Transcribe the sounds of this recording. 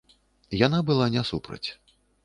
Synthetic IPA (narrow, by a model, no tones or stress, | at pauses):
janabɨlˠanʲɛsupɾɐ̰t͡sʲ